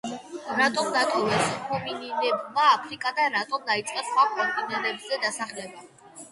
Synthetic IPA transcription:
ɾat̪ʼɔmd̪at̪ʼɔvɛpshʰɔmininɛbmaːpʰɾikʼad̪aɾat̪ʼɔmd̪ait̪sʼqʼɛsχwakʰɔmp̪ʼinɛlɛbzɛd̪asaχlɛba

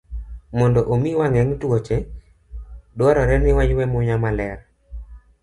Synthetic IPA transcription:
mɔndɔʔomiwaŋɛŋtwot͡ʃe | dwɔɾɔɾɛnɪwaɲwɛmʊɲamalɛɾ

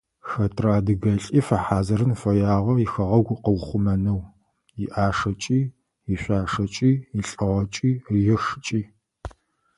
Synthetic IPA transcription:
xɐtʰraːdɨɣɐɬʼiːfɐħaːzɐɾɨnfɐjaːʁʷɐjixɐʁɐwɡʷʊqəwχʷʊmɐnɐw | jɪʔaːʂɐt͡ʃʼiː | iɕʷaːʂɐt͡ʃʼiːjiɬʼɨʁɐt͡ʃʼiːrjɛʂt͡ʃʼiː

